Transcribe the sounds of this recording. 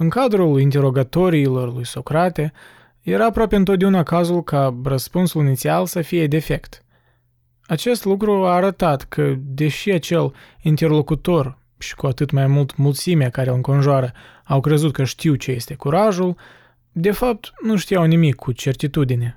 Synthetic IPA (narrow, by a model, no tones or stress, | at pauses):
ɨŋkad̪ɾulint̪e̞ɾo̞ɡat̪o̞ɾiːlo̞rlujso̞kɾat̪e̞ | je̞ɾaːpɾoape̞ɨnt̪ot̪d̪e̞unakazulkʰarəspunsulinit̪sialsəfije̞d̪e̞fe̞kt̪ | at͡ʃe̞st̪lukɾuaːɾət̪at̪kʰəd̪e̞ʃiat͡ʃe̞lint̪e̞rlo̞kut̪o̞r | ʃi̥kuat̪ɨt̪majmult̪mult̪simeakaɾelɨŋko̞nʒoaɾə | awkɾe̞zut̪̚kəʃt̪iwt͡ʃe̞je̞st̪e̞kuɾaʒul | d̪e̞fap̚t̪nuʃt̪ijawnimikʰːut͡ʃe̞rt̪it̪ud̪ine